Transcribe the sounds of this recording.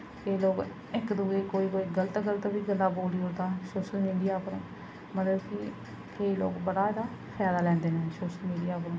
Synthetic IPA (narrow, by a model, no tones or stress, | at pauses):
keːloːɡ | ɪkd̪uːeːkoːiːkoːiːɡələt̪ɡələt̪biːɡəlːaːboːliːot̪aːsoːʃəlmiːɖijaːpəɾ | mət̪ləbki | keːlo̰ːɡbəɽaːd̪aːpʰɛːd̪aːlɛ̃ːnd̪eːneːsoːʃəlmiːɖijaːpəɾ